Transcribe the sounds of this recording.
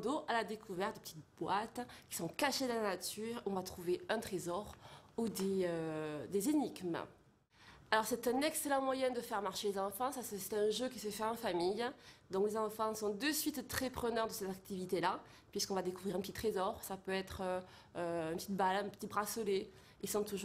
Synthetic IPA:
d̪oʔalad̪ekʰuvɛʁt̪̚d̪epə̥t̪it̪bwat̪kʲi̥sɔ̃kaʃed̪əlanat̪yʁɔ̃vat̪χuveɛ̃t̪χezɔʁud̪eød̪ezeniɡmə̰ | alɔʁsɛt̪ɛ̃nɛkselɑ̃mwajɛ̃d̪əfɛʁmaʁʃelezɑ̃fɑ̃sasɛt̪ɛ̃ʒøk̬ʲisəfɛɑ̃famijd̪ɔ̃klezɑ̃fɑ̃sɔ̃d̪əsɥit̪t̪χɛpχənœʁd̪əsɛt̪ak̚t̪ivit̪ela | pɥiskɔ̃vad̪ekuvʁiʁɛ̃pət̪it̪χezɔʁsapøɛt̪χø | øɛ̃npət̪it̪balɛ̃pə̥t̪ibʁasɔle | ilsɔ̃t̪uʒu

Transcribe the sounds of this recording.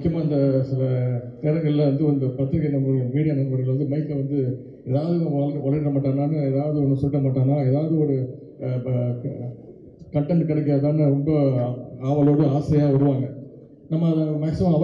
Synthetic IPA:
kːɪjɐmaːɪnd̪ɐsɪlɐt̪ɛːɾɐŋɡɐɭɪlɐʋɐnd̪ɯɐnd̪ɐpɾɐt̪ːɾɐɣɪnɐmɡɐɽɯʋiːɽɪjɐnɐmɡɐɽɪlɐʋɐnd̪ɯmɐɪk̪ːlɐʋɐnd̪ɯ | eːðaːʋɐðɯɣɐ̃ʋaːlkːkɐɭɐɾɾɐmaːʈːaːnaːnɯɛðaːʋɐðɯɔnːɐsɔlʈːɐmaːʈːaːnaːeːðaːʋɐðɯɔɾɯ | kɐɳʈɛɳɖkɪɽɛkːɪɾaːðaːnːɯɾɔmbɐaːʋɐloːɽɯaːsɐjaːɐɾɯʋaːŋɡɐ | nɐmːɐːðɐmaːksɪmaːɐʋɐ

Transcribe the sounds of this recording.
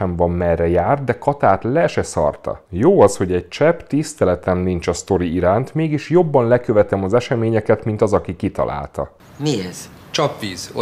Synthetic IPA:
ɛɱvɒmːɛrɛjaːrt̪̚d̪ɛkɒt̪aːt̪lɛʃɛsɒ̰rt̪ɒ̰joːɒsho̞ɟɛɟ̚t͡ʃɛpt̪ist̪ɛlɛt̪ɛmnint͡ʃɒst̪o̞ɾiiɾaːnt̪meːɡiʃjo̞bːɒnlɛkøvɛt̪ɛmɒzɛʃɛmeːɲɛkɛt̪mint̪ɒzɒkikit̪ɒ̰lʔa̰ːlt̪ɒ̰ | miɛz̥ | t͡ʃɒpʋiːz

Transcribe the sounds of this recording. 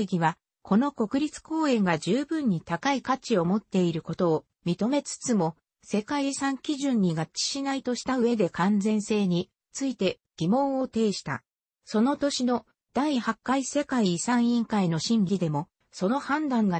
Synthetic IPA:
ɡʲiβa | kʰo̞noko̞kɯ̟ɾʲit͡sɨ̥ko̞ːẽ̞ŋɡad͡ʑɨːbɯ̟̃ɲ̟ːit̪akaikat͡ɕio̞mo̞t̪ːe̞iɾɯ̟ko̞t̪o̞ː | mʲit̪o̞me̞t͡sɨ̥t͡sɨmo̞ | se̞kaisãŋkʲiʑɨ̃ɲ̟ːiɡatt͡ɕːi̥ɕinait̪o̞ɕi̥t̪aɯ̟βe̞d̪e̞kãnd͡zẽ̞ɰ̃se̞ːɲ̟i | t͡sɨit̪e̞ | ɡ̥ʲimõ̞ɰ̃o̞t̪e̞ːɕi̥t̪a̰ | so̞no̞t̪o̞ɕino̞ | d̪̥aihakːaise̞kaiːsãɰ̃ĩŋkaino̞ɕĩŋɡʲid̪e̞mo̞ | so̞no̞hãnd̪ãŋɡa

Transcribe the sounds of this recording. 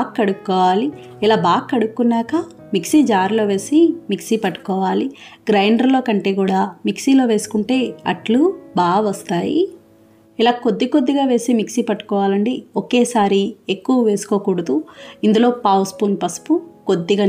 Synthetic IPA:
kːɐɽukːɔːʋaːli | ilaːbaːkːɐɽukːunːaːkɐ | miksiːd͡ʒaːɾlo̞ːʋe̞ːsimiksipɐʈːu̥kɔːʋaːli | ɡɾɐjɳɖɐɾlo̞ːkɐɳʈe̞ːɡuːɽaːmiksiloːʋe̞ːsu̥kuɳʈe̞ːɐ̰ʈlubaːɡʋɐst̪aːjḭ | ilaːkod̪ːiko̞d̪ːiɡaːʋe̞ːsimiksiːpɐʈːu̥kɔːʋaːlɐɳɖioke̞ːsaːɾiekːuʋuʋe̞ːsu̥koːkuːɽɐd̪uind̪ulo̞ːpaːwspunpɐspukod̪ːiɡaː

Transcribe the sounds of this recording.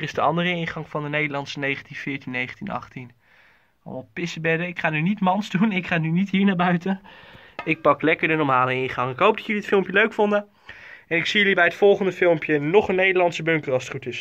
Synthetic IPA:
rɪzdəɑ̰ndərəɪnχɑŋfɑndənejdəlɑntsənejχəntinfɪːɹtinːejχəntinɑ̰χtin | ɑ̰lmɔlˠpɪsəbɛdəɪkχaːnynitmɑnzdunɪkχaːnynitɦiːɹnaːɹbœɥtə | ɪk̚pɑklɛkəɹdənɔɹmaːləɪnχɑŋɪkɦowp̚dɑtjəliətfɪlˠmpjəløɥkfondə | ɛnɪksijɵlibɛjətfɔlˠχəndəfɪlˠmpjənɔχənːejdəɹlɑntsəbɵŋkərɑstχutɪs

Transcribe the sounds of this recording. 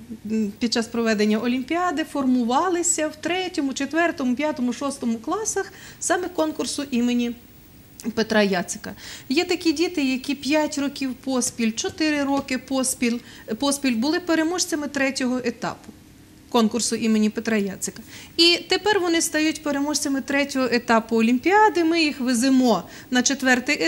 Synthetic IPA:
pʲid̪̚t͡ʃːɑspɾɔʋɛd̪enʲːɐʔɔlʲimʲpʲiɑd̪ɪfɔrmʊʋɑlˠɪsʲɐwt̪ɾɛtʲɔmʊt͡ʃet̪ʋɛrt̪ɔmʊpʲjat̪ɔmʊʃɔst̪ɔmʊklˠɑsɐxsɑmɛkɔnkʊrsʊʔimenʲi | pet̪ɾɑjɑt̪sɪ̥kɐjɛt̪ɐkʲidʲit̪ɪjɐkʲipʲjatʲrɔkʲiwpɔsʲpʲilʲt͡ʃɔt̪ɪɾɪɾɔkɪpɔspʲilʲ | pɔspʲilʲbʊlˠɪpeɾemɔʃt͡sʲɐmɪt̪ɾɛtʲɔɦɔʔet̪ɑ̰pʊ̥ | kɔnkʊrsʊʔimenʲipet̪ɾɑjɑt̪sɪkɐit̪epɛrʋɔnɪst̪ɐjutʲpeɾemɔʃt͡sʲɐmɪt̪ɾɛtʲɔɦɔʔet̪ɑpʊɔlʲimʲpʲiɑd̪ɪmɪjixʋɪzɪmɔ | nɐt͡ʃet̪ʋɛrt̪ɪj

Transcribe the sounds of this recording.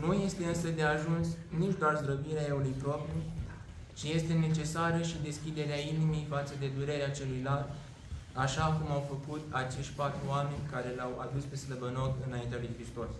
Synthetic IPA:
nuje̞st̪e̞ɨnsəd̪e̞aʒunsnit͡ʃd̪oarzɾobiɾeaeulujpɾo̞pɾi | t͡ʃije̞st̪e̞ne̞t͡ʃe̞saɾəʃid̪e̞skʲid̪e̞ɾeainimejfat̪səd̪e̞d̪uɾe̞ɾeat͡ʃe̞lujlat̪ | aʃakumawfəkut̪at͡ʃe̞ʃtʲpat̪ɾuame̞nʲkaɾe̞lawad̪uspe̞sləbəno̞kɨnaint̪ealujkɾist̪o̞s

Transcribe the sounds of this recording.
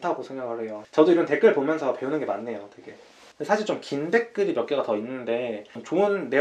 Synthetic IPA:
tʰaɡosʰeŋɡakaɾejot͡ɕʌdoiɾʌnte̞k͈ɯɭpomjʌnsʰʌpe̞unɯnɡe̞manːe̞jote̞ɡe̞ | ndesʰaɕʰiɭt͡ɕomkinbe̞k̚k͈ɯɾimjʌk͈̚eɡatʌinːɯnde̞mt͡ɕoɯnːe̞

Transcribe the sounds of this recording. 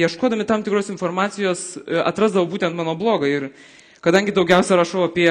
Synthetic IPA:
jɛʃkoːd̪ɐmʲɪt̪ɐmt̪ʲɪkɾoːsɪnfoːrmɑːt̪sʲɪjoːsɐ̰t̪ɾɐzd̪ɐʋɐʊbuːt̪ʲɛnt̪mɑːnoːblˠoːɡɐɪr | kɐd̪ɐŋʲɡʲɪd̪ɒʊɡʲɛʊsʲɛɾɐʃɐʊɐpʲiɛ

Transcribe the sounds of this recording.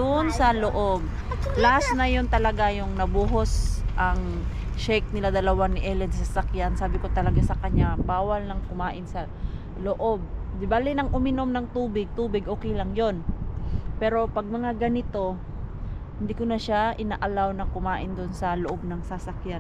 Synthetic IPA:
d̪ʊnsɐloʔob̚ | lahasnɐjo̞nt̪ɐlɐɡajʊŋnɐbuːɦosʔɐŋ | ʃɛjk̚nɪlad̪ɐlɐwanːɪʔɛːlɛnsasakjansaːbɪko̞t̪ɐlɐɡasɐkɐɲabaːwɐlnɐŋkʊmaːʔɪnsɐ | loʔo̞b̚d̪ɪbalɛnɐŋʔʊmɪno̞mnɐŋt̪uːbɪɡ̚t̪uːbɪɡʔoːkɛjlɐŋjo̞n | pɛːɾo̞pɐɡ̚mɐŋaɡɐnɪt̪o̞ | hɪnd̪iːkʊnɐʃaʔɪnaːʔɐlawnɐkʊmaːʔɪnd̪ʊnsɐloʔob̚nɐŋsasɐkjan

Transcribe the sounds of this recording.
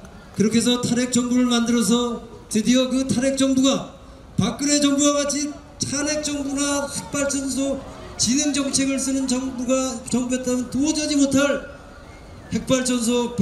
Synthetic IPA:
kɯɾʌkʰe̞s̬ʰʌtʰaɾe̞k̚t͡ɕ͈ʌŋbuɾɯɭmandɯɾʌs̬ʰʌ | tɯdiʌkɯtʰaɾɦe̞k̚t͡ɕ͈ʌŋbuɡa | pak̚k͈ɯɾe̞t͡ɕʌŋbuwaɡat͡ɕʰi | tʰane̞k̚t͡ɕ͈ʌŋbuɡahek̚p͈aɭt͡ɕ͈ʰʌnsʰot͡ɕineŋd͡ʑʌŋt͡ɕʰe̞ɡɯɭs͈ɯnɯnd͡ʑʌbuɡat͡ɕʌŋbuet̚t͈amʌntod͡ʑʌd͡ʑimotʰaɭ | he̞k̚p͈aɭt͡ɕ͈ʰʌns̬ʰop

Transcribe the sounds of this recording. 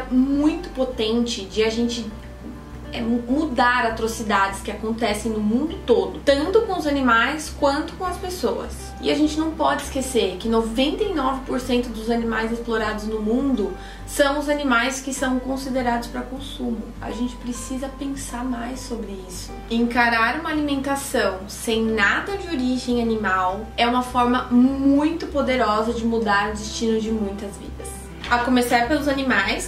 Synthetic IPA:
mũj̃t̪ʊ̥pot̪ẽnt͡ʃɪd͡ʒɪaʒẽnt͡ʃɪ | ɛmmud̪aɾat̪ɾosid̪ad͡ʒɪskɪakõnt̪ɛsẽj̃nʊmũnd̪ʊt̪od̪ʊt̪ɐ̃nt̪ʊkõʊzanimajskwɐ̃nt̪ʊ̥kõɐspesowɐ̰s | ɪaʒẽnt͡ʃɪnɐ̃w̃pɔd͡ʒɪiskeseɾkɪnovẽnt̪einɔvɪpoɾsẽnt̪ʊd̪ʊzanimajzɪsploɾad̪ʊznʊmũnd̪ʊ | sɐ̃w̃ʊzanimajskɪsɐ̃w̃kõsid̪eɾad̪ʊspɾɐkõsũmʊa̰ʒẽnt͡ʃɪ̥pɾesizɐpẽŋsaɾmajsːobɾɪisʊ̥ẽŋkaɾaɾũmɐalimẽnt̪asɐ̃w̃sẽj̃nad̪ɐd͡ʒɪoɾiʒẽj̃animawɛũmɐfɔɾmɐmũj̃t̪ʊpod̪eɾɔzɐd͡ʒɪmud̪aɾʊ̃d͡ʒɪst͡ʃĩnʊd͡ʒɪmũj̃t̪ɐzvḭd̪ɐs | ɐkomesaɾpelʊzanimajs

